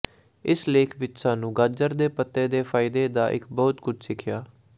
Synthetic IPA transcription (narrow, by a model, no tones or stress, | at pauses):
ɪsleːkʰʋɪtsãːnũːɡad͡ʒəɾd̪eːpət̪ːeːd̪eːpʰaːɪd̪eːd̪aːʔɪ̰kbɔːt̪kʊd͡ʒsɪkʰjaː